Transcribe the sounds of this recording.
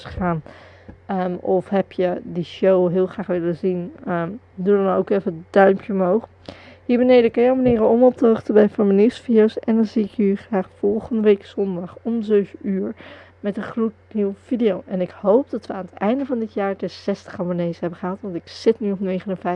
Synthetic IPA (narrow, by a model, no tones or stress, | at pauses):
χaːn | əɔfɦɛpjədiʃowɦɪːlˠχraːχʋɪləzinə | dudɑnowkɛfədœɥmpʰjəmɦowχ | ɦiːɹbənejdəkɑjɔmanɪːrəɔmɔp̚təəχtəbɛjfʊɹməniwsfidiowsɛndɑnziɪkyχraːχfɔlˠχəndəʋejkz̥ɔndɑχɔmzøɥfyːɹ | mɛtəχrut̚niwv̥idijowʔɛnɪkhowp̚dɑtʋəaːnətɛjndəvɑndɪtjaːɹdɛsɛstə̥χɑmonejsɦɛbəχəɦɑtʋɑntɪksɪtnyɔpnejχənəvɛj